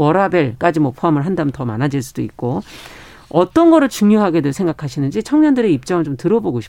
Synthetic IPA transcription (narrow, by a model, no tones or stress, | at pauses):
ʌɾabe̞ɭk͈ad͡ʑimwʌpʰoamɯɭɦandamɯntʌma̰nad͡ʑiɭs͈udoik̚k͈o | ʌt͈ʌnɡʌɾɯɭt͡ɕuŋjoɦaɡe̞dwesʰe̞ŋɡakʰaɕʰinɯnd͡ʑit͡ɕʰʌŋɲʌndɯɾe̞ip̚t͡ɕ͈ʌŋɯɭt͡ɕomtɯɾʌboɡoɕʰi